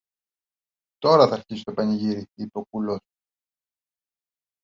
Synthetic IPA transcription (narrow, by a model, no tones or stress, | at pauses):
t̪o̞ɾɐθɐɾçisi̥t̪o̞pɐniʝiɾiipeo̞kulo̞s